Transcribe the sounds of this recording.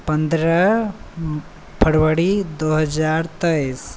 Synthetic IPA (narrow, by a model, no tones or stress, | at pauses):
pɐnd̪ɾɐ | pʰɐɽʋəɽid̪oːɦɐd͡ʒaːɾt̪ɐis